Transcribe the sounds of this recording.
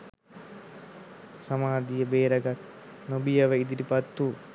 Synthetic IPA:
samaːd̪ijəbeːɾəɡat̪̚ | nobijaʋəid̪iʈipat̪ːu

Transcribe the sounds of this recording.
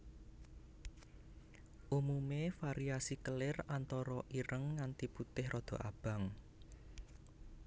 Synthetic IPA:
ʔumumefaɾiasikəlɪrant̪ɔɾɔʔiɾəŋːant̪iput̪ɪhrʔɔd̪̥ɔ̤ʔab̥a̤ŋ

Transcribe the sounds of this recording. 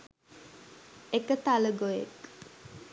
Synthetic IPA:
ekət̪aləɡojḛk

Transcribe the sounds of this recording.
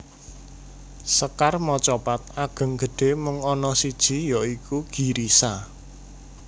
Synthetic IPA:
səkarmɔt͡ʃɔpat̪̚aɡ̥ə̤ŋɡ̥ə̤ɖ̥e̤mʊŋɔnɔsid̥ʒ̥i̤jɔikuɡ̥i̤ɾisa

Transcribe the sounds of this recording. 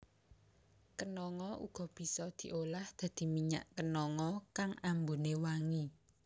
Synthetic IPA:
kənɔŋɔṵɡ̥ɔ̤b̥i̤sɔd̪̥i̤ʔolahd̪̥ä̤d̪̥i̤miɲa̰ʔkənɔŋɔkaŋambunewaŋi

